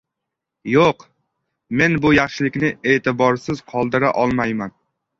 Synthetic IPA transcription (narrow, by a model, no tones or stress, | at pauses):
joq | me̞nbʊjɑχʃɪlɪkʲnɪe̞ːt̪ɪbɒɾsɪz̥qʰɒlˠd̪ɪɾaʔɒlˠmajman